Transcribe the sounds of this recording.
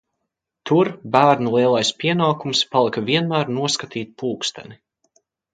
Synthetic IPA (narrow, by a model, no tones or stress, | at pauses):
t̪uɾbæːɾnulˠiɛlˠajspʲiɛnaːkumspalˠikaviɛnmæːɾnuɔskat̪ʰiːt̪̚puːkst̪ɛ̰ni